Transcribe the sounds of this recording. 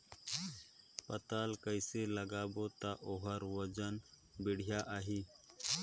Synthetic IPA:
pɐt̪alkəɪseləɡaːboːt̪aʔoɦəɾwəd͡ʒən | bɪɽ̤jaːʔaːɦiː

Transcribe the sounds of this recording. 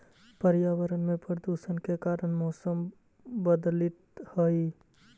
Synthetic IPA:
pəɾjaːʋəɾənmẽpɾd̪usənkekaːɾənmɔːsəm | bəd̪lɪt̪həi

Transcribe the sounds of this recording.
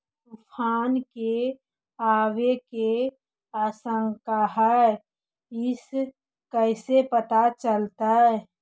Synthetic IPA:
t̪upʰaːnke | aːweke | aːsə̃ŋkaɦɛɛ | ɪs | kəɪsepət̪at͡ʃəlt̪aɦɛ

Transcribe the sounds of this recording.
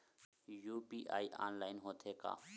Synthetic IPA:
juːpiːʔa̰ːiːʔa̰ːnlaːɪnɦoːt̪ʰeːka̰ː

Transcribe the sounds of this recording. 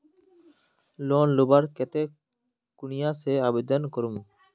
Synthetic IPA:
loːnlobaɾkɛt̪eː | kʊɳijãːseːaːbed̪ənkɔɾum

